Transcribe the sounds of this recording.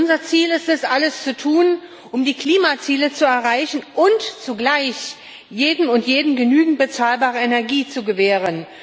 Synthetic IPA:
ʔʊnzɐt͡siːlɪstɛsʔaləst͡sutʰuːn | ʔʊmdiːkl̥iːmat͡siːlət͡suɛɐʁaɪçn̩ʔʊntt͡suɡlaɪç | jeːdm̩ʊntjeːdm̩ɡənyːɡŋ̩t̚b̥ət͡saːlbaːʁ̞əenɛɐɡiːt͡suɡəveːʁ̞ən

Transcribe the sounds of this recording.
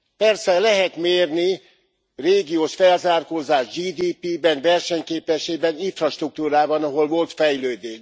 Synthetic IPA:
pɛrsɛlɛɦɛt̪meːrni | reːɡijoːʃfɛlzaːrkoːzaːʒd͡ʒiːd̪iːpiːbɛnvɛrʃɛɲkeːpɛʃeːbɛniɱfrɒʃt̪ruk̚t̪uːɾaːbɒnɒɦo̞lvo̞lt̪fɛjløːd̪eːʃ

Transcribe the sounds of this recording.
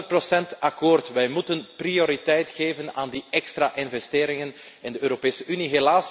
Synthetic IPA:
prosɛntakoːrtʋɛjmutənprioɾitɛjtxeːvənaːndiɛkstraʔɪnvɛsteːɾɪŋən | ɪndəøːɾopeːsəʔyniɦelaːs

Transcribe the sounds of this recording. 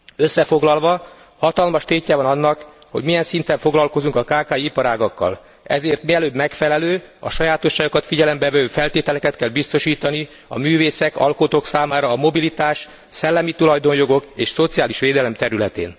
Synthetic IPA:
øsːɛfo̞ɡlɒlvɒ | hɒt̪ɒlmɒʃt̪eːcːɛvɒnɒnːɒk | hoɟmijɛnsint̪ɛɱfo̞ɡlɒlko̞zuŋkɒkaːkaːjiipɒɾaːɡɒkːɒ̰l | ɛ̰zeːrt̪miɛløːbmɛkfɛlɛløːɒ̰ʃɒjaːt̪o̞ʃːaːɡokɒt̪fiɟɛlɛmbɛvɛvøːfɛlt̪eːt̪ɛlɛkɛt̪kɛlbist̪o̞ʃiːt̪ɒni | ɒ̰myːveːsɛkɒ̰lkot̪oːksaːmaːɾɒːmo̞bilit̪aːʃ | sɛlːɛmit̪ulɒjd̪o̞njo̞ɡo̞keːʃso̞t̪sijaːliʃʋeːd̪ɛlɛmt̪ɛɾylɛt̪ḛːn

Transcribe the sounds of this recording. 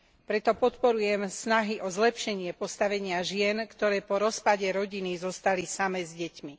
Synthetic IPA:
pɾɛt̪ɔpɔt̪pɔɾujɛmsnaɦiʔɔzlɛpʃɛɲɪɛpɔst̪aʋɛɲɪaʒɪɛnkt̪ɔɾɛːpɔɾɔspaɟɛɾɔɟinizɔst̪alisamɛzɟɛcmi

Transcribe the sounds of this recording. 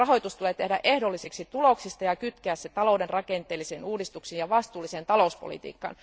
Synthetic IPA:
rɑɦojt̪ust̪uleːt̪ehdæ̰ʔehdolːiseksit̪uloksist̪ɑjɑkyt̪keæːsːet̪ɑloudenrɑkent̪ˑeːlːiseːnuːdist̪uksiːnjɑʋɑst̪uːlːisent̪ɑlouspo̰lḭt̪ḭːkːɑ̰n

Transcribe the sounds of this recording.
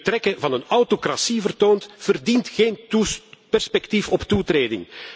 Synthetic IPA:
tɾɛkəvɑnənawtokrasivərtoːntv̥ərdintxeːnpɛrspɛktifɔptutɾeːdɪ̰ŋ

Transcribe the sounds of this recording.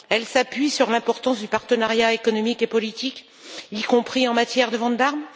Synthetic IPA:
ɛlsapɥisyʁlɛ̃pɔʁt̪ɑ̃sd̪ypaʁt̪ənaʁjaekɔnɔmikepɔlit̪ik | ikɔ̃pχiɑ̃mat̪jɛʁd̪əvɑ̃d̪aʁm

